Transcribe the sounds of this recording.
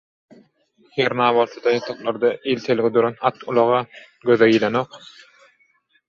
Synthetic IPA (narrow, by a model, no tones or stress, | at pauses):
heɾnɑːβɑlˠt̪ɑd̪ɑjɑt̪ʰɑqlˠɑɾd̪ɑʔilt̪ʰelɡʲid̪uɾɑnɑt̪ʰulˠɑʁɑ | ɡøðæɡilenoq